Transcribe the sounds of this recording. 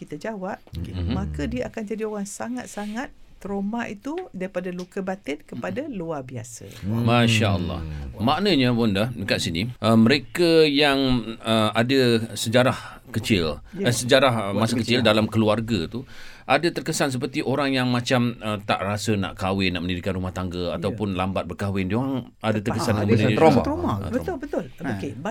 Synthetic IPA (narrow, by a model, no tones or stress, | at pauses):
kit̪ad͡ʒawap̩̚ɦmãkədiəʔakand͡ʒadioɾaŋsaŋat̪̚saŋat̪̚ːəɾomaʔit̪udaɾipadalukəbat̪ɪnkəpadaluarbiasə̰maʃaəlːɑ̰hmãʔnəɲə̃pʊndahdəkat̪̚siniʔəmə̃ɾekajaŋəadəsəd͡ʒaɾah | kət͡ʃɪləsəd͡ʒaɾahmasəkət͡ʃɪldalamkəluarɡat̪uʔadat̪ərkəsans̬əpərt̪iʔoɾaŋjaŋmãt͡ʃamət̪a̰ʔrasəna̰ʔkawɪnːaʔmə̃ndidikanrumaht̪aŋɡəa̰t̪awpʊnlambat̪̚bərkawɪndioɾaŋ | adat̪ərkəsanjãməndiooma̰bət̪bət̪ʊlokeb